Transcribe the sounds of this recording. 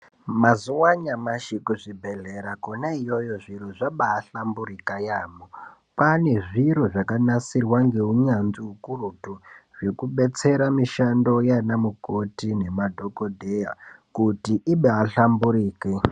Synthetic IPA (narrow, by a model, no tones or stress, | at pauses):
mazuwaɲamaʃikuʐibʱe̞ɮeɾakonaijo̞jo̞ʐiɾoʐaɓaːɬamburikajaːmo | pane̞ʐiɾoʐakanasirwaŋɡe̞uɲanziukurutuʐ̥e̞kuɓe̞t͡se̞ɾamiʃando̞janamuko̞tine̞madʱo̞kodʱe̞jakutiʔiɓeaɬambuɾiːke